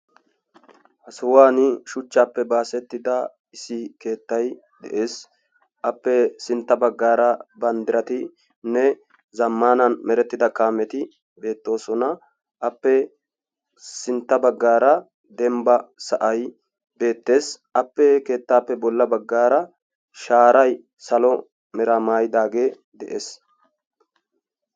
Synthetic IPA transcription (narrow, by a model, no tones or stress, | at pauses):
hɐsʊwaːnɪʃʊt͡ʃːaːpːɛbaːsɛt̪ːɪd̪ɐ | ɪsɪke̞ːt̪ːɐj | d̪ɛ̰ʔe̞ːs | ʔɐpːɛsɪnt̪ːɐbɐɡːaːɾɐbɐnd̪ɪɾɐt̪ɪ | nɛ | zɐmːaːnɐnmɛɾɛt̪ːɪd̪ɐkaːmɛt̪ɪ | be̞ːt̪ːo̞ːsɔnɐ | ʔɐpːɛ | sɪnt̪ːɐbɐɡːaːɾɐ | d̪ɛmbɐsɐʔɐj | be̞ːt̪ːe̞ːsʔɐpːɛke̞ːt̪ːaːpːɛbɔlːɐbɐɡːaːɾɐ | ʃaːɾɐj | sɐlɔ | mɛɾamaːjɪd̪aːɡe̞ː | d̪ɛʔeːs